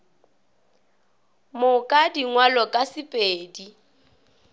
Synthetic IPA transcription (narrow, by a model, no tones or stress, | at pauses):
mʊkʼadiŋwalɔkʼasɪpʼeːdi